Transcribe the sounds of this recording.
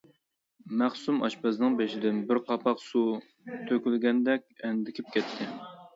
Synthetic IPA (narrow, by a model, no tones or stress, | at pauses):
mæχsumɑ̰ʃpɑznɨŋbeʃɪd̪ɪnbɪɾqʰɑpʰɑqsu | t̪ʰøkʲylɡʲɛnd̪ɛkʲɛnd̪ɪkʲʰɪp̚kʲʰɛt̪ʰːɪ